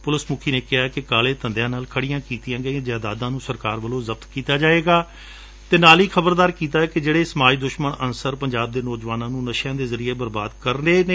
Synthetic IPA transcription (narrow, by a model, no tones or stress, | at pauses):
pʊləsmʊkʰiːneːkɪɦakɪkaːleːt̪ə̃nd̪ejãːnaːlkʰəɽijãːkiːt̪ijãːɡəĩd͡ʒaːd̪aːd̪ãːnũːsəɾkaːɾʋəlõːzəb̚t̪kiːt̪aːd͡ʒaːeːɡaː | t̪eːnaːliːkʰəbəɾd̪aːɾkiːt̪̬aːɛːkɪd͡ʒeːɽeːsəmaːiːd̪ʊʃməɳənsəɾpəɲd͡ʒaːb̚d̪eːnoːd͡ʒʋaːnãːnũːnəʃjãːd̪eːzəɾieːbəɾbaːd̪kəɾneːneː